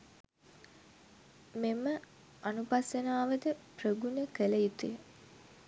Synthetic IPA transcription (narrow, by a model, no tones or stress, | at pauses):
memə | anupasjənaːʋəd̪əprəɡunəkəlejit̪uj